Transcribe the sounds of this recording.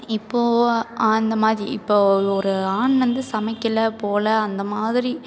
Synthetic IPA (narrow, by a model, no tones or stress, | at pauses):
ɪpːoːɐnd̪ɐmaːðɾiɪpːoːɔɾɯaːɳʋɐnd̪ɯsɐmɐɪkːɪlɐpoːlɐːnd̪ɐmaːðɪɾi